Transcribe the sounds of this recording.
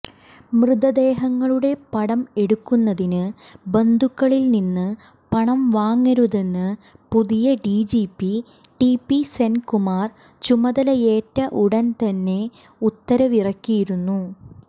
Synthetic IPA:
mrɨðɐd̪e̞ːɦɐŋːɐɭuɽe̞pɐɽɐme̞ɽukːunːɐðinɨ | be̞nd̪ʱukːɐɭilninːɨ | pɐɳɐmʋaːŋːɐɾuðenːɨpuðijɐɖiːd͡ʑiːpːi | ɖipːisenkumaːr | t͡ɕumɐðɐlɐjeːtːɐʔuɽɐnt̪ɐnːe̞ | ut̪ːɐɾɐʋirɐkːijiɾunːu

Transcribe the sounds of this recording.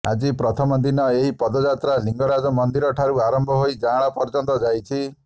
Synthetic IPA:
a̰d͡ʒipɾɔt̪ʰɔmɔd̪inɔeɦipɔd̪ɔd͡ʒat̪ɾaliŋɡɔɾad͡ʒɔmɔnd̪iɾɔʈʰaɾuaɾɔmbʱɔɦojd͡ʒaɭ̃apɔɾt͡ʃɔnt̪ɔd͡ʒajt͡ʃʰi

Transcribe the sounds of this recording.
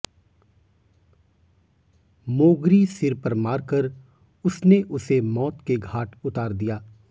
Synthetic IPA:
moːɡɾisɪɾpəɾmaːɾkəɾ | ʊsneʔʊsemɔːt̪keɡʱaːʈʊt̪aːɾd̪ijaː

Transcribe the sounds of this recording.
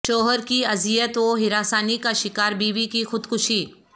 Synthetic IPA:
t͡ʃoːɦəɾkiɐzijət̪oːɦɪɾaːsaːnikaʃɪkaːɾbiːʋikixʊd̪kʊʃiː

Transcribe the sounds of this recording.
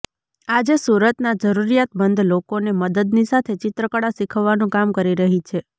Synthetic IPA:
ad͡ʒesuɾət̪nad͡ʒəɾuɾijat̪̚bənd̪ʱlokoneməd̪əd̪nisat̪ʰet͡ʃɪt̪ɾəkəɽasikʰəʋːanũkamkəɾiɾəɦit͡ʃʰe

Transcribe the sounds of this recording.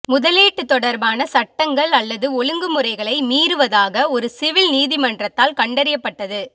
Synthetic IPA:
mʊðɐleːʈːɯt̪ːɔɽɐɾbaːnɐsɐʈːɐŋɡɐɭɐlːɐðɯɔlɯŋɡɯmʊrɐɪɣɐɭɐɪmiːɾɯʋɐðaːɣɐɔɾɯsɪʋɪlniːðɪmɐndrɐt̪ːaːlkɐɳɖɐɾɪjɐpːɐʈːɐðɯ

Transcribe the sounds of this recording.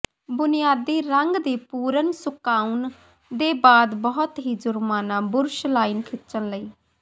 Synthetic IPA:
bʊnɪjaːd̪iːɾəŋɡd̪iːpuːɾənsʊkaːun | d̪eːbaːd̪bəɦʊt̪ɦiːd͡ʒʊɾmaːnãːbʊɾʃlaːiːnkʰɪtːt͡ʃənləiː

